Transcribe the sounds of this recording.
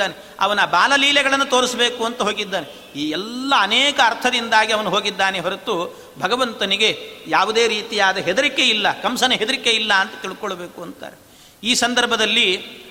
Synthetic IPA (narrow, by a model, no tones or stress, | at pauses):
aːne | ɐ̰ʋɐnaːbaːlɐliːlɛɡɐɭɐnːɐt̪o̞ːɾisɐbe̞ːkuɐnt̪ɐɦoːɡid̪ːaːne | iːɛlːɐːnɛːkɐːɾt̪ʰɐd̪ind̪aːɡiɐʋɐnuɦoːɡid̪ːaːneɦɐɾɐt̪u | bʱɐɡɐʋɐnt̪ɐniɡe̞jaːʋud̪e̞ːɾiːt̪ijaːd̪ɐɦed̪ɐɾikːeilːɐkɐmsɐnɐɦed̪ɐɾikːeilːɐːnt̪ɐ̥t̪iɭukoɭɐbeːkuɐnt̪a̰ːɾe | iːsɐnd̪ɐɾbʱɐd̪ɐlːi